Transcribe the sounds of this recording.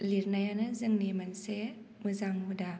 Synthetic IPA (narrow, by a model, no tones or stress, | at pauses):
liɾnajanɯzɯŋnimanse | mɯzaŋbuda